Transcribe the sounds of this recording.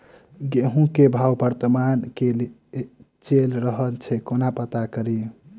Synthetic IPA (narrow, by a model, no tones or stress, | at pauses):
ɡeɦũkebʱawbəɾt̪əmankel | t͡ʃelɾəɦəlt͡ʃʰɛkonapət̪akəɾi